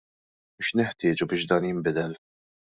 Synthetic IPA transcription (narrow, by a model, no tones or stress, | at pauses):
bɪʃnɛħt̪ɪːd͡ʒubɪːʃd̪ɐːnjɪmbɪd̪ɛl